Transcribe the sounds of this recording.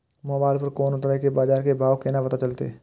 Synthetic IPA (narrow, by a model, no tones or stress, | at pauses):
moːbaːɪlpəɾkoːnʊt̪ɾaekebaːzaːɾkebʱaːʋkeːnapɐt̪at͡ʃɐlt̪ḛ